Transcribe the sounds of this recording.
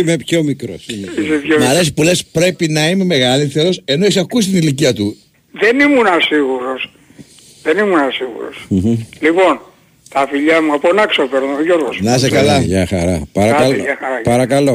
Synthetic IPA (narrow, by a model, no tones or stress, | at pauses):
imepço̞mikɾosimisepjomɐlesipule̞spɾe̞pinɐime̞me̞ɣɐliθeɾo̞se̞no̞esɐkusi̥t̪iniliciɐt̪u | ðenimunɐsiɣuɾos | ðenimunɐsiɣṵɾo̰sm̩ɣ̩lipo̞n | t̪ɐfiʎɐmuɐponɐksopeɾnɐoʝoɾɣosnɐs̬ekɐlɐʝɐxɐ̰ɾɐpɐɾɐlɐxɐɾɐpɐɾɐkɐlo̞